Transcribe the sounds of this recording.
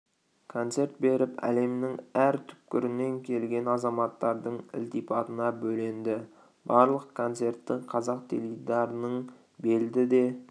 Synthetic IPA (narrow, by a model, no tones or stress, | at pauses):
kʰo̞nt̪se̞ɾt̪̚be̞ɾɪpæ̰le̞mnɪŋæɾt̪ʰʏ̥p̚kʲɪɾɪnːe̞ŋkʲʰe̞lɡʲe̞nɑzɑmɑt̪ːɑɾd̪əɴɪ̰lt̪ipʰɑt̪ənɑbɵlend̪ɪ | bɑɾlˠəqkʰo̞nt̪se̞ɾt̪ːɪqʰɑzɑq̚t̪ʰḛlid̪ɑɾənəɴ | be̞ld̪ɪd̪e̞